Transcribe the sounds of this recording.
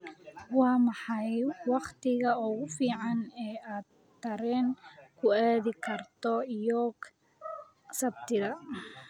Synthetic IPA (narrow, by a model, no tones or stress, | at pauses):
wɑːmɑħɑjwɑqt̪ʰɪɣɐɔɣʊfiːʕɑnɛːaːd̪̚ | t̪ʰːɐɾɛːnkʰʊaːðɪkʰɐrt̪ʰɔjɔːk | sɐbt̪ʰɪðɐ